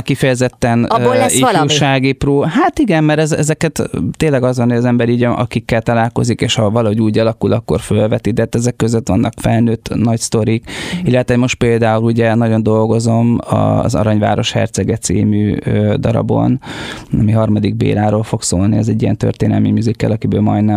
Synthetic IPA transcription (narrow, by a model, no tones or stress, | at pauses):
kifɛjɛzɛt̪ːɛnifuːʃaːɡiproːɦaːt̪iɡɛmmɛɾɛzɛzɛkɛt̪t̪ːeːlːɛɡɒzʋɒnhojɒzɛmbɛɾiɟʔɒ̰kikːɛlt̪ɒlaːlko̞̰zikeːʃhɒvɒlɒɦo̞ɟuːɟɒlɒkulɒkːo̞̰rfølvɛt̪id̪ɛt̪ːɛzɛkːøzøt̪ʋɒ̰nːʔɒkfɛlnøːt̪ːnɒcst̪o̞ɾikilːɛt̪ʋɛmo̞ʃt̪̚peːld̪aːuluɟɛnɒɟo̞nd̪o̞lɡo̞zo̞mɒ̰zɒ̰ɾɒɲva̰ːɾo̞ʃhɛ̰rt̪sɛɡɛt̪sḭːmyːød̪ɒɾɒ̰bo̞̰nɒmiɦɒrmɒd̪iɡ̚bḛːɾaːɾoːlfo̞kso̰ːlniɛzɛɟːijɛ̰nt̪ø̰rt̪eːnɛ̰lmimyzikːɛ̰lɒkibø̰ːlmɒ̰jd̪nɛ